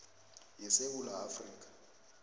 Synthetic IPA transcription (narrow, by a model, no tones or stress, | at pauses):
jɛseɓulaːfriːk̬ʼḁ